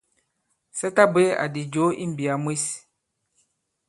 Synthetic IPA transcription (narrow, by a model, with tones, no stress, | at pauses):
sɛ˦ta˦be˦a̰˨di˨d͡ʒo˨˦ʔḭ˦m̩˨bi˨a˨mwi˦s